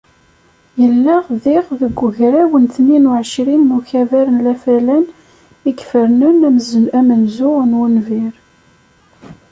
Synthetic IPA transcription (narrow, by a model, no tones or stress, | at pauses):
jəlːaʁðɪʁðəɡʷːəʝɾæwənθəninuʕəʃɾimːuçævæɾənlæfælæn | ikfəɾnənæmzæmənzʊʁnwənviɾ